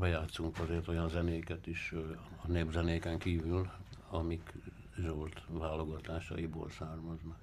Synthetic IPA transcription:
bɛjaːt̪suŋkɒzeːrt̪o̞jɒnzɛneːkɛt̪iʃɒneːbzɛneːkɛŋkiːvylɒmik | ʒolt̪ʋaːlo̞ɡɒt̪aːʃɒ̰jibo̰ːlsaːrmɒznɒk

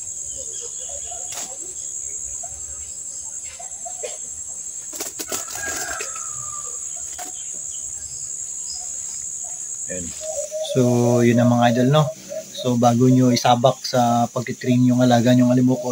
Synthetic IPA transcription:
jonsojʊnːɐmɐŋaːjd̪olno | so̞baːɡoɲoɪsaːbak̚sɐpɐɡ̚t̪ɪt̪ɾiŋjʊŋɐlaːɡaɲʊŋɐlɪmoko

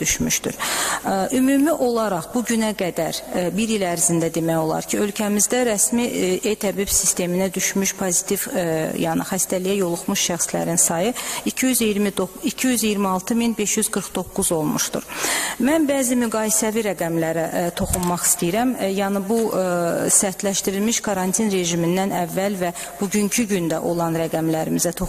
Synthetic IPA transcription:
d̪yʃmyʃt̪y̰ɾ | ʔymumiʔo̞lˠɑɾɑχbuɟynæɡæd̪æɾbiɾilæɾzind̪æd̪e̞mæjo̞lˠɑ̰ɾcʰiø̞lcʰæmizd̪æɾæsmiejt̪ʰæbibsist̪e̞minæd̪yʃmyʃpʰozit̪ʰivjɑnḭxæst̪ælijæjo̞lˠuχmuʃʃæxslæ̰ɾinsɑjɯicʰijyzijɾmid̪oicʰijyzijiɾmiɑlˠt̪ʰɯminbe̞ʃjyzɡɯɾχd̪o̞kːuzo̞lˠmuʃt̪ṵɾmænbæːzimyɡɑːjisæviɾæɡæmlæɾæt̪ʰo̞xunmɑχi̥st̪ijɾæmjɑnɯbu | sæɾt̪læʃt̪iɾilmiʃkʰɑɾɑnt̪ʰinɾe̞ʒimind̪ænævːælvæ | b̥uɟyɲcʰyɟynd̪æʔo̞lˠɑnɾæɡæmlæɾimizæt̪ʰo

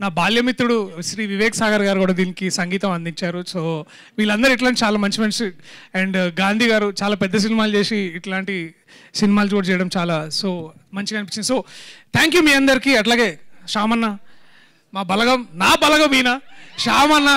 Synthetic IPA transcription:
naːbaːljɐmit̪ːɾuɽuʃɾiːʋiʋɛːkɐsaːɡɐɾɡaːɾukuːɽaːd̪iːnikisɐŋɡiːt̪ɐmɐnd̪iɲt͡ʃaːɾusoː | ʋiːlɐnd̪ɐɾiiʈ̬laːnʈit͡ʃaːlaːmɐnt͡ʃimɐnsiɛɳɖɡaːnd̪ʱiːɡaːɾut͡ʃaːlaːpɛd̪ːɐs̬inimaːlt͡ʃeːsiːʈlaːɳʈi | sinimaːlud͡ʒoːɾt͡ʃɛːjɐɽɐmt͡ʃaːlaːsoː | mɐɲt͡ʃikɐnipi̥t͡ʃːind̪iso̞ːt̪ʰaːŋkjuːmiːɐnd̪ɐɾikiːɐʈlaːɡe̞ːʃaːmɐnːa | maːbɐlɐɡɐmnaːbɐlɐɡɐmiːnɐʂaːmɐnːɐ

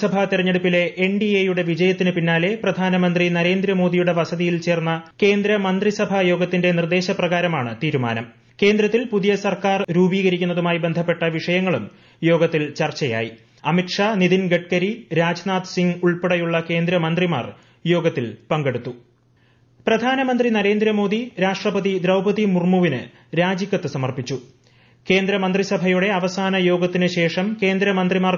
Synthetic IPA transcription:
sɐbʱɐt̪iɾɐɲːeɽupːile̞ʔːɳɖiejuɽe̞ʋid͡ʑɐjɐt̪ːinɨpinːaːle̞prɐd̪ʱaːnɐmɐnd̪rinɐɾe̞ːnd̪ɾɐmo̞ːd̪ijuɽe̞ʋɐsɐðijilt͡ɕe̞ːrnːɐke̞ːnd̪ɾɐmɐnd̪risɐbʱɐjo̞ːɡɐt̪ːinde̞nird̪e̞ːɕɐprɐɣaːɾɐmaːɳɨt̪iːɾuma̰ːnɐm | ke̞ːnd̪ɾɐt̪ːilpuðijɐsɐrkaːrɾuːbiːɣɐɾikʲːunːɐðumaːjibe̞nd̪ʱɐpːe̞ʈːɐʋiʂɐjɐŋːɐɭum | jo̞ːɡɐt̪ːilt͡ɕɐrt͡ɕɐja̰ːji | ɐmiʈʂaːnid̪inɡeʈ̚kɐɾiɾaːd͡ʑnaːt̪siŋɡuɭpeɽɐjuɭːɐke̞ːnd̪ɾɐmɐnd̪rima̰ːr | jo̞ːɡɐt̪ːilpɐŋɡe̞ɽut̪ːu | prɐd̪ʱaːnɐmɐnd̪rinɐɾe̞ːnd̪ɾɐmo̞ːd̪iɾaːʂʈrɐpɐðid̪ɾɐwbɐðimurmuʋinɨ | ɾaːd͡ʑikʲːɐt̪ːɨsɐmɐrpit͡ɕːu | ke̞ːnd̪ɾɐmɐnd̪risɐbʱɐjuɽe̞ɐʋɐsaːnɐjo̞ːɡɐt̪ːinɨɕe̞ːʂɐmke̞ːnd̪ɾɐmɐnd̪rimaːr

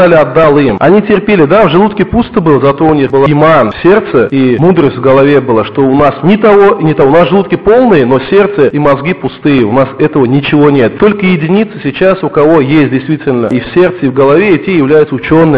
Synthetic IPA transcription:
alʲɪɐd̪ːalˠɨjmɐ̰nʲitʲɪrpʲelʲɪd̪avʐɨlˠut̪kʲɪpust̪ɨbɨlˠəzɐt̪oʊnʲixbɨlˠaɪmanfsʲe̞rt̪səimud̪ɾəsʲtʲvɡəlˠɐvʲe̞bɨlˠaʂt̪o̞ʊnasnʲɪt̪ɐvonʲɪt̪ɐʊnasʐɨlˠut̪kʲɪpo̞lˠnɨjəno̞sʲe̞rt̪səimɐzɡʲipʊst̪ɨjəʊnasɛt̪əvənʲɪt͡ɕɪvo̞nʲet̪̚t̪o̞lʲkəjɪdʲɪnʲit̪sɨsʲɪt͡ɕasʊkɐvo̞jesʲt̚ʲdʲɪjst̪vʲitʲɪlʲnəifsʲe̞rt̪səivɡəlˠɐvʲeɪtʲejɪvlʲæjʊt̪səʊt͡ɕo̞nːɨ

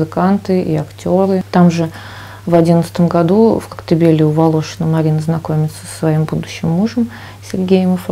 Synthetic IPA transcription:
zɨkant̪ɨʔḭɐktʲo̞ɾɨt̪amʐɨ | vɐdʲinət̪sət̪əmɡɐd̪ufkə̥kt̪ɪbʲelʲɪʊvɐlˠo̞ʂɨnəmɐɾʲinəznɐko̞mʲɪt̪sə̥sːvɐimbud̪ʊɕːɪmːuʐəm | sʲɪrʲɡʲejɪməf

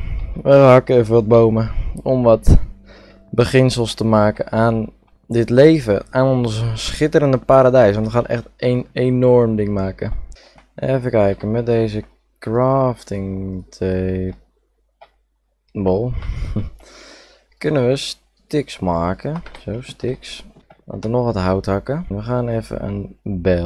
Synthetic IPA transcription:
ʋəɦɑkəɛvəʋɔd̚bowməɔmʋɔt | bəχɪnsəlˠstəmaːkənʔaːn | dɪtlejvə̰aːnɔnssχɪtəɾəndəpaːɾadɛjsʋɔntəχaːnʔɛ̰χtejnenɔrmdɪŋmaːkə | nefəkɛjkəmɛt̚dejzə | kraːftɪŋtʰe | bəlˠ | kønənʋəs | tɪksmaːkəsowstɪksʋɑ̰ntənɔxətɦawtɦakəʋəχaːnɛːfə̰ə̰nbɛ

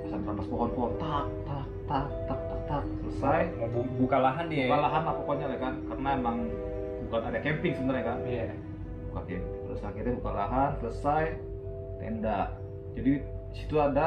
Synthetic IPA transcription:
sanɾampaspɔɦɔnpɔɔnt̪ak̚t̪ak̚t̪ak̚t̪ak̚t̪ak̚t̪ak̚sələsajbukalaɦandiamalaɦanapakoɲalahkankarənaemaŋ | bukanadakɛmpɪŋsəbənarɲakan | bukakɛmpɪŋələsaankit̪abukala̰ɦansələsaj | t̪ḛndaʔ | d͡ʒadisi̥t̪uada

